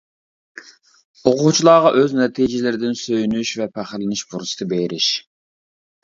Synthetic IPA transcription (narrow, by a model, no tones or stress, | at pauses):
oqʰʊt͡ʃʰilˠɑːʁɑʔøznɛt̪ʰid͡ʒɪlɪɾɪd̪ɪnsøjynyʃvɛpʰæχlɪnɪʃbuɾsɨ̥t̪ɨbeɾɪʃ